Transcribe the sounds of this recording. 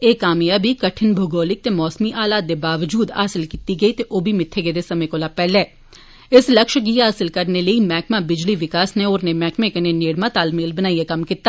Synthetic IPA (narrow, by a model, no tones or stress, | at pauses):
eːkaːmijabʱikɐʈʰɪnbʱʊɡoːlɪk̚t̪emɔːsmiʔaːlaːt̪̚d̪ebaːʋd͡ʒuːd̪ɦaːsɪlkit̪iɡɐit̪eʔoːbʱimɪt̪ʰːeɡed̪esɐmẽkoːlapɛːleː | ɪslɐkʃɡiːɦaːsɪlkɐɾneləimɛːkmabɪd͡ʒliʋɪkaːsneoːɾnemɛːkmẽkeneneːɽmãt̪aːlmeːlbɐnaːiekɐmkɪt̪ːaː